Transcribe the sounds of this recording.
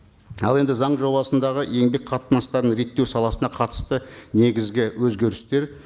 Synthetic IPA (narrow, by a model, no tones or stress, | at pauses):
ɑ̰lˠe̞nd̪ɪzɑɴʒo̞βɑsənd̪ɑʁəʔe̞ŋbe̞k̚qʰɑt̪ənɑst̪ɑɾənɾe̞t̪ːe̞wsɑlˠɑsənɑqʰɑt̪ə̥st̪əne̞ɡʲɪzɡʲɪwɵzɡʲe̞ɾɪst̪e̞ɾ